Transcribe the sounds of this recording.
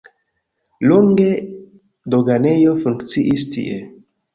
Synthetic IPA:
loŋɡe̞ | doɡane̞jo̞fuŋkt͡siʔistḭʔe

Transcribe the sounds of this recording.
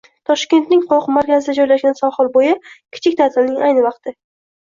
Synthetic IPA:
t̪ʰɒʃkʲe̞nt̪nɪŋqʰɒqmaɾkʲʰazɪd̪ad͡ʒɒjlaʃɡʲansɒhɒlˠbojɪkʲʰɪ̥t͡ʃʰɪkʲt̪ʰat̪ʰɪlnɪŋʔajnɪvɑqt̪ʰɪ

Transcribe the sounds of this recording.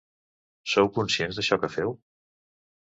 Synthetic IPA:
sowkunsienzðəʃɔkəfɛw

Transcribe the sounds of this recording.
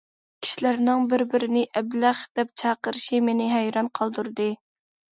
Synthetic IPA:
kʲʰi̥ʃilæɾnɪŋbɪɾbɪɾɪnɪʔɛblæχd̪ɛp̚t͡ʃʰɑːqəɾɨʃimenɪɦæjɾɑnqʰɑlˠd̪uɾd̪ɨ

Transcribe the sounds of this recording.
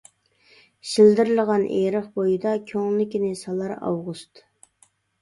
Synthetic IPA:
ʃild̪ɪɾlˠəʁɑnʔḛɾəχbojid̪ɑkʲʰøŋlɪkʲinɪsɑlˠɑɾɑ̰wʁust̪

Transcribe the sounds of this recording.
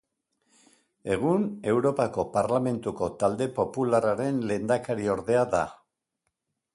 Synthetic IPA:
e̞ɣ̞une̞wɾo̞pako̞paɾlame̞nt̪uko̞t̪ald̪e̞po̞pulaɾaɾe̞nle̞ːnd̪akaɾio̞ɾðe̞aða

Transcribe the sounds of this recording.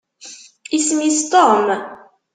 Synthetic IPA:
ismist̪ɔm

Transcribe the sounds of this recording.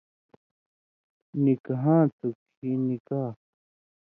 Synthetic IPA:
nĩkaɦãːt̪ukʰ | inĩkaː

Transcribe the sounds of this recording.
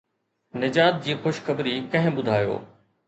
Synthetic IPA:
nɪd͡ʑaːt̪̚d͡ʑiːxoʃxɐbɾikɐ̃ɦɪ̃ɓʊd̪ʱaːjo̰ː

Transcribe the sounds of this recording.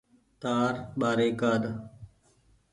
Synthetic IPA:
t̪aːɾɓaːɾeːkaːd̪

